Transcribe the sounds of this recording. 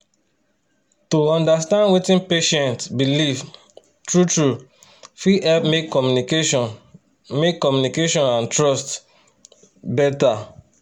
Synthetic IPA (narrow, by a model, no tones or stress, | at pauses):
toɔ̃ndastãndwetĩnpeʃɛ̃ntbiliv | tɹutɹu | fiɛpmekːɔmjnik | mekːɔmjunikeʃɔ̃nãntɹɔst | bɛta